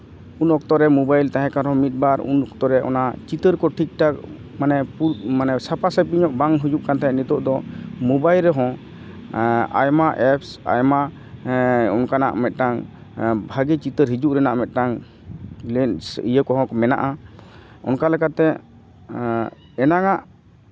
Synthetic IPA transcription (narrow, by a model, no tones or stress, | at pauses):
unɔk̚t̪ɔɾɛmubajlt̪aɦɛ̃kaɾɦɔ̃mit̪̚baɾṵnɔkt̪ɔɾɛʔɔ̰nat͡ʃit̪əɾkɔʈʰik̚ʈak̚ | manɛpumanɛsapasɛpiɲɔʔbaŋɦud͡ʒuʔkant̪aɦɛnit̪ɔʔd̪ɔmubajlɾɛɦɔ̃ | a̰jmaʔɛpsa̰jma | ɔnkana̰ʔmɛt̪̚ˀʈaŋ | bʱaɡɛt͡ʃit̪əɾɦid͡ʒuʔɾɛnaʔmɛt̪̚ˀʈaŋ | lɛnijəkɔɦɔ̃kɔmɛna̰ʔa | ɔ̰nkalɛkat̪ːɛ | ɛnaŋaʔ